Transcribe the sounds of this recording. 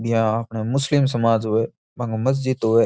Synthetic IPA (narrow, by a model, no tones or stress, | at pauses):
bɪjãɐpnemʊslɪms̬ɐmaːd͡ʒɦʊe | bɐ̃ŋɡmɐz̬d͡ʒɪd̪ɦʊe